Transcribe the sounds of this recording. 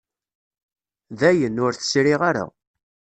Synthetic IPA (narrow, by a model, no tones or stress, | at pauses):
ðæjənʊɾθə̥sɾɪʁaɾa̰